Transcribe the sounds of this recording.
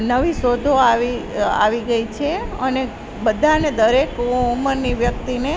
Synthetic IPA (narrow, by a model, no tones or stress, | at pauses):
nəʋisod̪ʱoaʋia̰ʋiɡəit͡ʃʰeəne | bəd̪ʱaned̪əɾekuməɾniʋjək̚t̪ine